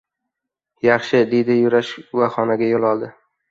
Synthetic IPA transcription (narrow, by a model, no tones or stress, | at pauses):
jɑχʃɪd̪ejd̪ɪjʊɾaʃvaχɒnaɡʲajolˠɒlˠd̪ɪ